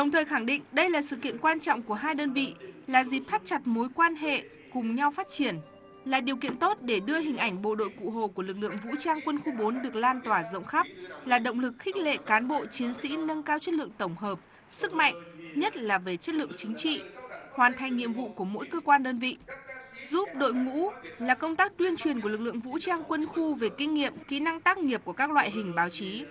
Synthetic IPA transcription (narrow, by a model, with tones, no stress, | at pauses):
ɗə˨˩wŋ͡mt̪ʰəː˨˩jxa˧˩ŋɗḭ̈˧˨ŋ̟ɗə˧jlaː˨˩sɨ̰˧˨kḭ˧˨ənkwaː˧nt͡ɕɔ̰˧˨wŋ͡mku˧˩əɦaː˧jɗəː˧nvḭ˧˨laː˨˩zi˨˩p̚t̪ʰa˦˥t̚t͡ɕa˨˩t̚mo˨˦jkwaː˧nɦḛ˧˨ | kʊ˨˩ŋ͡mɲa˧wfaː˦˥t̚t͡ɕi˧˩ən | laː˨˩ɗi˨˩əwkḭ˧˨ənt̪o˦˥t̚ɗe˧˩ɗɨ˧əɦï˨˩ŋ̟ʔa˧˩jŋ̟ɓo̰˧˨ɗo̰˧˨jkṵ˧˨ɦo˨˩ku˧˩əlɨ˨˩k̚lɨ̰˧˨əŋvṵ˧˥t͡ɕaː˧ŋkwə˧nxu˧ɓo˨˦nɗɨ˨˩ək̚laː˧nt̪waː˧˩zə̰˧˨wŋ͡mxa˦˥p̚laː˨˩ɗə̰˧˨wŋ͡mlɨ˨˩k̚xi˦˥k̟̚lḛ˧˨kaː˨˦nɓo̰˧˨t͡ɕi˨˦ənsḭ˧˥nə˧ŋkaː˧wt͡ɕə˦˥t̚lɨ̰˧˨əŋt̪ə˧˩wŋ͡mɦəː˨˩p̚ | sɨ˦˥k̚ma̰˧˨jŋ̟ɲə˦˥t̚laː˨˩ve˨˩t͡ɕə˦˥t̚lɨ̰˧˨əŋt͡ɕï˨˦ŋ̟t͡ɕḭ˧˨hwaː˨˩nt̪ʰa˨˩jŋ̟ɲḭ˧˨əmvṵ˧˨ku˧˩əmo̰˧˥jkəː˧kwaː˧nɗəː˧nvḭ˧˨zu˦˥p̚ɗo̰˧˨jŋṵ˧˥laː˨˩kə˧wŋ͡mt̪aː˦˥k̚t̪wi˧ənt͡ɕwi˨˩ənku˧˩əlk̚lɨ̰˧˨əŋvṵ˧˥t͡ɕaː˧ŋkwə˧nxu˧ve˨˩ki˧ŋ̟ŋḭ˧˨əmkḭ˧˥na˧ŋt̪aː˦˥k̚ŋi˨˩əp̚ku˧˩əkaː˦˥k̚lwa̰ː˧˨jɦï˨˩ŋ̟ɓaː˨˦wt͡ɕi˨˦